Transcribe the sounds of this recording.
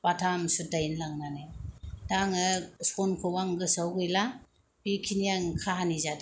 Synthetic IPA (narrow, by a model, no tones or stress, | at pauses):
patʰamsudajnlaŋnanɯdaŋɯsɔnkʰɯwaŋɡɯsawɡɯjla | bikʰinijaŋkʰaɦanizadi